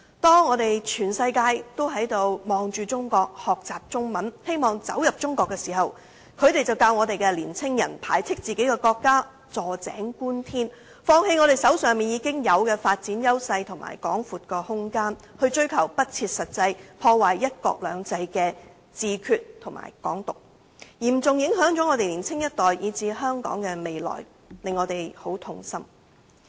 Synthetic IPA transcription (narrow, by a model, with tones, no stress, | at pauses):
t̪ɔː˥ŋːɔː˨˧t̪e˨jt͡ʃʰyː˨˩nsɐ˧jkaː˧jt̪o˥wɦɐ˨˥jt̪o˨˧wmɔː˨˧ŋt͡ʃyː˨˧t͡sʊ˥ŋkɔː˧k̚hɔː˨k̚t͡saː˨p̚t͡sʊ˥ŋmɐ˨˥nhe˥jmɔː˨˩ŋt͡sɐ̰˨˥wjɐ˨p̚t͡ʃʊ˥ŋkɔː˧kːɛː˧siː˨˩hɐ˨˩w | kʰɵ˨˧ɥt̪e˨jt͡sɐ˨wkaː˧wŋɔː˨˧t̪e˨jkɛ˧liː˨˩nt͡sʰɪ˥ŋjɐ˨˩npʰa̰ː˨˩jt͡sʰɪ˥k̚t͡siː˨ke˨˥jkɛː˧kɔː˧kːaː˥ | t͡sɔː˨˩t͡sɛ̰ː˨˥ŋkuː˥nt̪ʰiː˥n | fɔː˧ŋhe˧jŋɔː˨˧ɾe˨˩jsɐ˨˥wsœː˨ŋmiː˨njiː˨˧kɪ˥ŋjɐ˨˧wkɛː˧faː˧t̚t͡siː˨˥njɐ˥wsɐ˧jt̪ʰʊ˨˩ŋmʔa̰ː˨˩jkɔ̰ː˨˥ŋfuː˨˩t̚kɔː˧hʊ˥ŋkaː˥nhɵ˧ɥt͡ʃɵ˥ɥkʰɐ˨˩wpɐ˥t̚t͡sʰiː˧t̚sɐ˨t̚t͡sɐ˧jpʰɔː˧waː˨˩jːɐ˥t̚kɔ̰ː˧k̚lœː˨˧ŋt͡sɐ˧jkɛː˧ | t͡siː˨˧kʰyː˨t̚t̪ʰʊ˨˩ŋma̰ː˨˩jkɔ̰ː˨˥ŋt̪ʊ˨k̚ | jiː˨˩m̩˨t͡sʊ˨ŋjɪ˨˥ŋɦœː˨˥ŋt͡ʃɔː˨˥ŋɔː˨˧t̪e˨jliː˨˩nt͡sʰɪ˥ŋjɐ˥t̚t̪ɔː˨jjiː˨˧t͡siː˧ɦœː˥ŋkɔ̰ː˨˥ŋkɛː˧me˨jlɔ̰ː˨˩j | lɪ˨ŋːɔ˨˧t̪e˨˩jho˨˥wt̪ʰʊ˧ŋsɐ˥m